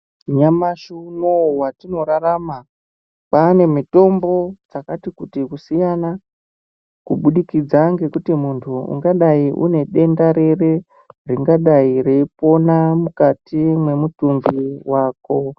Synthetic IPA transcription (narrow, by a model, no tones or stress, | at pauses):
ɲamaʃunowatino̞ɾarama | paːne̞mito̞mbo̞d͡zakatikutikusijana | kuɓuɗikid͡zaŋɡe̞kutimuntʰuṵŋɡaɗaiʔṵne̞ɗe̞ndaɾe̞re̞ | riŋɡaɗaireipo̞namukatimwe̞mutumbiwaːko̞